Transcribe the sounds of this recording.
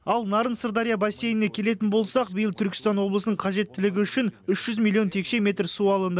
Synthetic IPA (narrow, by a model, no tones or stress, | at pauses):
ɑlˠnɑɾənsərd̪ɑɾijabasʲːe̞jɪnekʲʰe̞le̞t̪̬ɪnbo̞lˠsɑq̚bɪjəlˠt̪ʰʏɾkʲɪst̪ɑnwo̞blˠəsənəɴqʰɑʒe̞t̪ːɪlɪɡʲɪʏʃɪnʏʃʒ̥ʏzmʲilʲˠio̞nt̪ʰe̞kʃe̞mʲe̞t̪rsuɑlˠənd̪ə